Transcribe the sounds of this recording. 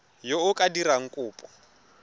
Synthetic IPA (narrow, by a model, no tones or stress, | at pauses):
jɔʊkʼadiɾaŋ̩kʼuːpʼɔ